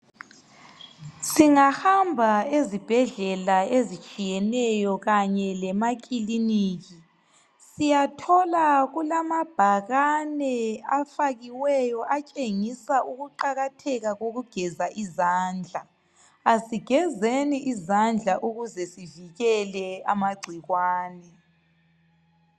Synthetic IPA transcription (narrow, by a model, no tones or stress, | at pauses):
siŋahambʱaezib̥ʱɛɮɛlaezit͡ʃʼijɛnɛjɔɣaɲɛlɛmak̬ʼiliniːɣi | sijatʰɔlaɣulamab̥ʱaɣanɛafaɣiwɛjɔʔat͡ʃʼeŋisauɣuǃaɣatʰɛɣaɣoɣuɡ̥ʱɛzaʔizaːnd͡ɮʱa | asiɡ̥ʱɛzeniʔizand͡ɮʱaʔuɣuzɛsiviɣɛlɛamaɡ͡ǀʱiɣwaːnɛ